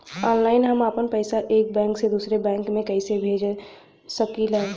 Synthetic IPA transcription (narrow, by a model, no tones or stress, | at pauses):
ɔːnlaːɪnɦəmapənpəɪsaʔeːk̚bɛ̃ːŋksed̪usɾebɛ̃ːŋkmẽkəɪsebʱeːd͡ʒe | səkilɦɛ